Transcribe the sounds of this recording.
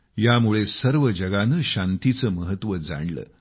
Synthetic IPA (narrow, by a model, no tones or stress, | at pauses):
jamuɭesəɾʋəd͡ʑəɡanəɕant̪it͡səməɦət̪ʋəd͡za̰ɳlə̰ː